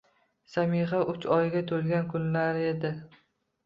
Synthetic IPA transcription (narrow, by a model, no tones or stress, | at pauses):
samɪʁaʊt͡ʃɒjɡʲat̪ʰolɡʲankʰʊnlaɾe̞d̪ɪ